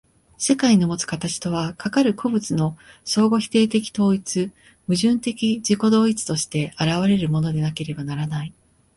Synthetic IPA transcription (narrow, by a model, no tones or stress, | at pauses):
se̞kaiɲomo̞t͡sɨ̥kat̪at͡ɕi̥t̪o̞β̞akakaɾɯ̟kʰo̞bɯ̟t͡sɨno̞so̞ːɡo̞çi̥t̪e̞ːt̪e̞kʲi̥t̪o̞ːit͡sɨ | mɯ̟ʑɨ̃nt̪e̞kʲid͡ʑiko̞d̪o̞ːit͡sɨ̥t̪o̞ɕi̥t̪e̞aɾaβ̞aɾe̞ɾɯ̟mo̞no̞d̪e̞nake̞ɾe̞banaɾanai